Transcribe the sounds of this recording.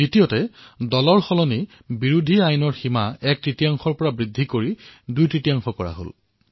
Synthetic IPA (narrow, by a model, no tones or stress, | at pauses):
itijɔtɛdɔlɔɹxɔlɔni | biɹudʱiajnɔɹximaɛk̚tɹitijaŋxɔɹpɔɹabɹidʱːikoɹidujtɹitijaŋxɔkɔɹa̰ɦo̰l